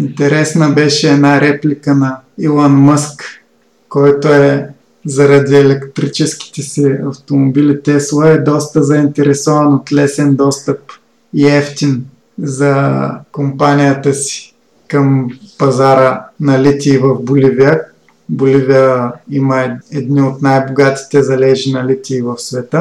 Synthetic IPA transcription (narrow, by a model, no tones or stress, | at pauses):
int̪ɛɾɛsnəbɛʃɛːnaɾɛplikənɐ | ilˠanməskː | ɔjt̪oɛ | zɐɾɐd̪iɛlɛkt̪ɾit͡ʃɛsk̟i̥t̪ɛsɛɐft̪omobilit̪ɛslˠəɛd̪ɔst̪əzɐint̪ɛɾɛsɔvɐnot̪lɛsɛnd̪ɔst̪əp̚ | iɛft̪in | zɐkompanijət̪əsi̥ | kɐmpɐzaɾənɐlit̪ʲiːvəvbʊliviə | bʊliviəiməɛɛd̪niot̪najboɡat̪i̥t̪ɛzɐlɛʒinɐlit̪ʲiːvɐfsvɛt̪ə